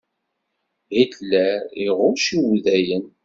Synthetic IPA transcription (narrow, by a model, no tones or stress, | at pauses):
hitlːæɾiʁʊɾʃiwðæjən